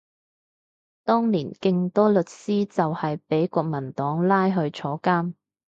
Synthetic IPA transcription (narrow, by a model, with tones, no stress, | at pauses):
t̪ɔː˥ŋliː˨˩nkɪ˧ŋt̪ɔː˥lɵ˨t̚siː˥t͡sɐ˨whɐ˨jpe˨˥jkɔː˧k̚mɐ˨˩nt̪ɔː˨˥ŋlaː˥jɦɵ˧ɥt͡ʃʰɔː˨˥kaː˥m